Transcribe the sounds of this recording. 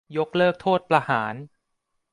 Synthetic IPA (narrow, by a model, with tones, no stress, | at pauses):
jo˦˥k̚lɤː˥˩k̚t̪ʰoː˥˩t̪̚pɾa˧haː˩˦n